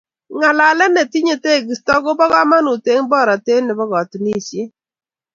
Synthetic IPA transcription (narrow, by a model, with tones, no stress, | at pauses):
ŋa˨la˨lɛ˦nɛ˨ti˦ɲe˨te˦˨ɡɪ˨stɔ˦ɡʊ˦bɔ˦ɡa˦ma˦nu˨te˦ŋbɔ˦˨ɾa˨te˦nːɪ˨bɔ˦ɡɔ˨tni˦˨t͡ʃe˦